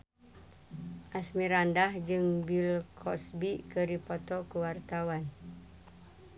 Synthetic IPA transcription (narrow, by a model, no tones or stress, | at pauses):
ʔasmiɾandahd͡ʒɨŋbilkʰɔsbikəɾipɔt̪ɔkuwart̪awan